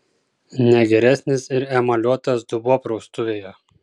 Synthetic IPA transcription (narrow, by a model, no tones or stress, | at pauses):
nʲɛɡʲɛɾʲæsʲnʲɪsɪɾɛmɐlʲuɔt̪ɐs̬d̪ʊbuɔpɾɔʊst̪ʊʋʲeːjo